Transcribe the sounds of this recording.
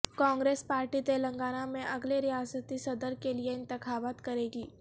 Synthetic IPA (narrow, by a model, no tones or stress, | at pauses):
kɔ̃ŋɡɾespaɾʈit̪eləŋɡanamẽʔəɡleɾijasət̪isəd̪əɾkelijeɪnt̪əkʰabat̪kəɾeɡiː